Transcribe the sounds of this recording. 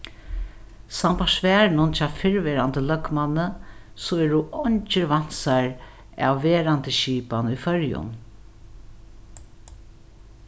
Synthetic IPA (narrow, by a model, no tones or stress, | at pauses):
sampaʂvɛːɹnʊnt͡ʃʰaːfɪɹvɛːɾant̪əlœkmanːə | sɔɛːɹʊɔɲt͡ʃəɾvan̥saɹ | a̰wːɛːɾant̪əʃiːpanujfœɹjʊ̰n